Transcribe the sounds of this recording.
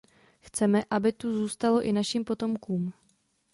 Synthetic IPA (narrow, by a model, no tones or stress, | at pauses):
xt͡sɛmɛʔabɪt̪uzuːst̪alo̞ʔɪnaʃiːmpo̞t̪o̞mkuːm